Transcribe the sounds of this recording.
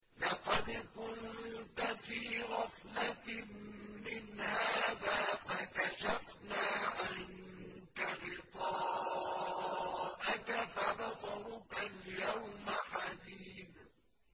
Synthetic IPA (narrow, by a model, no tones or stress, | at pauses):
lɑqɑd̪kʊnt̪afiːɣɑfla | mɪnhaaːðaːfakaʃafnaːʔan | k̪aɣɪt̪ˤɑː | ʔakafabɑsˤɑɾʊkaljawmaħad̪iːθ